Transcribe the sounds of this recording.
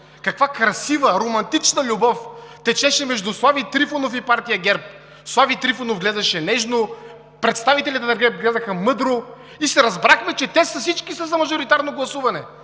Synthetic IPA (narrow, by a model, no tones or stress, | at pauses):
kɐkvakɾɐsivəɾomɐnt̪it͡ʃnəlʲubɔft̪ɛt͡ʃɛʃɛmɛʒd̪uslˠavit̪ɾifonofipaɾt̪ijɐɡɛɾp̚ | slˠavit̪ɾifonovɡlɛd̪ɐʃɛnɛʒno | pɾɛt̪st̪avit̪ɛlʲit̪ɛd̪ɐɡɛɾp̚ɡlɛd̪ɐxəmɤd̪ɾo | isɛɾɐzbɾaxmɛt͡ʃɛt̪ɛsɐsit͡ʃkisəzɐmɐʒoɾit̪aɾnoɡlˠɐsuvɐnɛ